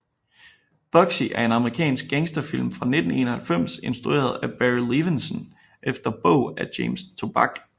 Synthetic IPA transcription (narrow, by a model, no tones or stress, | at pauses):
b̥ɒ̽ɡ̥siʔæɐe̝nɑ̈məʁikʰɛ̰ːnsɡ̥̚eŋsd̥ɐfil̰mfʁɑ̈ne̝d̥n̩e̝̰ːnɐhælfem̰se̝nsd̥ʁue̝̰ːɐð̞ˠæb̥æʁiliʋensən | ʔefd̥ɐb̥ɔ̰ʊ̰æd̥eːmst͡sʰo̝b̥ɑɡ̥